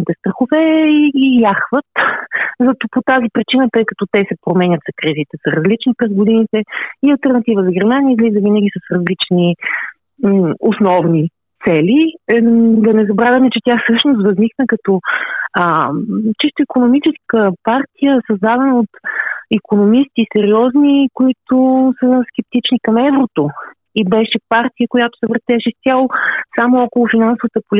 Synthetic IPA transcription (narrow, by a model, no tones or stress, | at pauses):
it̪ɛst̪ɾɐxovɛiijaxvət̪zɐt̪ɔpot̪azipɾit͡ʃinət̪əɛkɐ̥t̪ɔt̪ɛsɛpɾomɛnʲət̪zɐkɾizit̪ɛsɐɾɐzlit͡ʃnipɾɛzɡod̪init̪ɛiɐlˠt̪ɛɾnɐt̪ivəzɐɡɛɾmaniəizlizəvinəɡʲisəsɾɐzlit͡ʃni | osnɔvni | t̪sɛli | d̪ɐnɛzɐbɾavʲəmɛt͡ʃɛt̪jafsɤʃnost̪vɐzniknəkɐt̪ɔət͡ʃist̪ʊikonomit͡ʃɛskəpaɾt̪ijəsɐzd̪ad̪ɛnəot̪ikonomist̪isɛɾiɔznikoit̪ʊsəskʲɛp̚t̪it͡ʃnikɐmɛvɾot̪o | ibɛʃɛpaɾt̪ijəkojat̪ʊ̥sɛvɾɐt̪ɛʃɛst̪ʲjalˠosamoɔkʊlˠʊfinansʊvət̪əpʊli